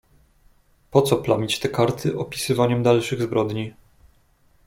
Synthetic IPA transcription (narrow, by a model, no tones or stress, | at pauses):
pɔt̪sɔplamʲit͡ɕt̪ɛkaɾt̪ʰɘʔɔpʲi̥sɘvaɲɛmd̪alʂɘɣzbɾɔd̪ɲi